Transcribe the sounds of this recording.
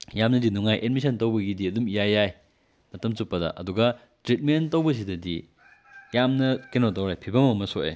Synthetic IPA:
jamnɐdinuŋajʔetmis̬ʰɐntɐwbɐɡidiɐdumijajːaj | mɐtɐmt͡ʃupːɐdɐ̰ʔɐ̰duɡɐ | tɾit̚mentɐwbɐs̬idɐdḭ | jamnɐkenotɐwɾajpʰibɐmɐɐmɐsoʔḛ

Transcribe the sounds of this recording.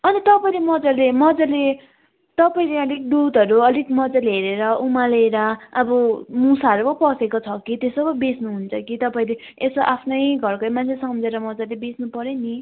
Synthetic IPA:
ʌnit̪ʌpaĩlemʌd͡zalemʌd͡zale | t̪ʌpaĩleʌlik̚ɖud̪ʱʌɾuʌlikmʌd͡zaleɦeɾeɾʌumaleɾʌːbʌmusaʌɾubʌpʌsekot͡sʰʌkit̪esobʌbesnuɦunt͡sʰʌkit̪ʌpaĩle | esoʔapʰnʌjɡʱʌrkʌjmant͡sʰesʌmd͡zeɾʌmʌd͡zalebesnupʌɾeni

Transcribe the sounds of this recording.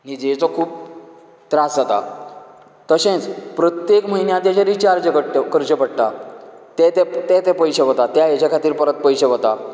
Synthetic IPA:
nid͡ʑet͡sɔkʰuːp | t̪ɾasɦət̪a̰ | t̪əɕẽt͡spɾɔt̪jekməinjat̪jat͡ɕaɾit͡ɕaɾd͡ʑəkəʈkəɾd͡ʑəpəɽʈ̪a | t̪ɛt̪ɛt̪ɛt̪ɛ̃pəjɕeʋət̪at̪jajat͡ɕakʰat̪iːɾpəɾət̪̚pəjɕeʋət̪a

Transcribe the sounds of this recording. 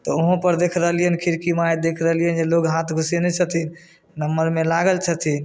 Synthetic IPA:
t̪ɔuɦõpəɾd̪ekʰɾəɦəlijənkʰiɾkimajd̪ekʰɾəɦlijənd͡ʒeloɡɦat̪ʰɡʱusjenɛt͡ʃʰət̪in | nəmːəɾmelaɡəlt͡ʃʰət̪ʰin

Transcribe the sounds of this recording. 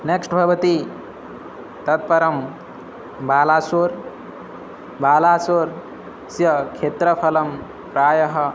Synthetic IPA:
neksʈbʱɐbɐt̪i | t̪ɐt̪̚pɐɾɐm | baːlaːsoɾ | baːlaːsoːɾ | sjɐkʰeːt̪ɾəpʰɐlɐm | pɾaːjɐɦɐ

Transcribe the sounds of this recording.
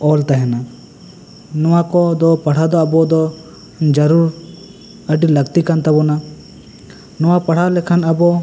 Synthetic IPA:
ɔlt̪aɦɛna | nɔwakɔd̪ɔpɐɽ̤ad̪ɔabɔd̪ɔ | nd͡ʒəɾuɾ | əɖiləɡt̪ikant̪abɔna | nɔwapɐɽ̤alɛkʰanabɔ

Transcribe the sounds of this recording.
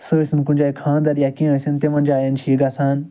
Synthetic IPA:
səsinkũnʲd͡ʒaːikʰãːnd̪ɐɾjakĩːəsint̪eʋɐ̃nʲd͡ʒaːjɐnt͡ʃʰiːɡasaːn

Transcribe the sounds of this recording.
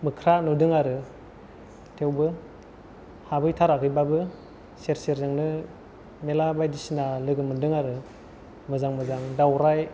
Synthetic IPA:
mɯkʰɾanudɯŋaɾɯ | tʰewbɯ | habɯjtʰaɾakɯjbabɯ | seɾseɾzɯŋnɯ | melabajdisinalɯɡɯmɯndɯŋaɾɯ | mɯzaŋmɯzaŋdawɾaj

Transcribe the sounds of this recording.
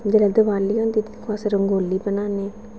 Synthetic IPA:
d̪elɛd̪əʋaːliːõːnd̪iːkʰaːsɾəŋɡoːliːpənaːneː

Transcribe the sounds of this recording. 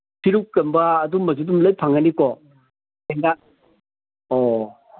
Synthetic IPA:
sʰiɾukkːɐmbɐːdumɐd͡ʒudumləjpʰaŋanikɔ | eŋɡa | ɔ

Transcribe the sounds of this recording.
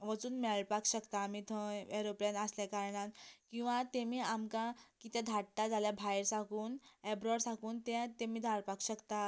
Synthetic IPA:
ʋət͡suːnmɛɭɭpakɕəkt̪aːmit̪ʰəeɾoplenəslakaɾɳat̪kĩw̃ʋat̪emiːamkãkit̪ɛ̃d̪ʱaʈːad͡zaljabʱajɾsãkuːnɛbɾɔɾsãkuːnt̪ɛ̃t̪emiːd̪ʱaɭpakɕəkt̪a

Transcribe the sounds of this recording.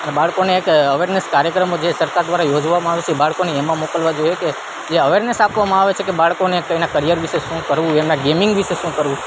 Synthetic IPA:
ənebaɭkoneːkəʋeɾnəskaɾjəkɾəmod͡ʒesəɾkaɾd̪ʋaɾajod͡ʒʋamãaʋet͡ʃʰebaɭkoneːmãmokəlʋad͡ʒojeke | d͡ʒeəʋeɾnəsapʋamãaʋet͡ʃʰekebaɭkonekəinakəɾijəɾʋiʃeʃũkəɾʋũemãɡemɪŋɡʋiʃeʃũkəɾʋũ

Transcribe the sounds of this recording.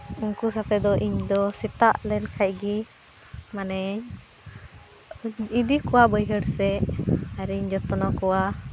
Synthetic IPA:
uŋkusat̪ɛd̪ɔʔiɲd̪ɔsit̪aʔlɛnkʰajɡi | manɛɲ | id̪ikuwabəjɦəɽsɛaɾɛiɲd͡ʒɔt̪ɔnɔkɔwa

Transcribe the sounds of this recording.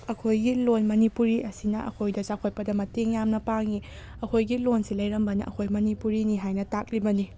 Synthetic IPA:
ɐkʰojɡilonmɐnipuɾiʔɐsinɐʔɐ̰kʰojdɐsakʰoj̚pɐdɐmɐteŋjamnɐpaŋi | ɐkʰojɡilonsilɐjɾɐmbɐnɐ̰ʔɐ̰kʰojmɐnipuɾiniɦajnɐtak̚ɾibɐni

